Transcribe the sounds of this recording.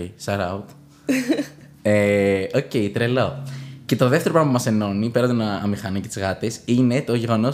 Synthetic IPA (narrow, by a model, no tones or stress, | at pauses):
sɐɾɐut̪ | eoce̞it̪ɾelo̞ce̞t̪o̞ðe̞ft̪eɾopɾɐmɐpumɐse̞no̞nipe̞ɾɐt̪onɐɐmixɐnicet̪izɣɐt̪esine̞t̪o̞ʝe̞ɣo̞no̞